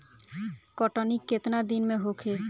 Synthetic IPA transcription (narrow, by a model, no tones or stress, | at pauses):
kɔʈɔnikːet̪nad̪inmeɦokʰe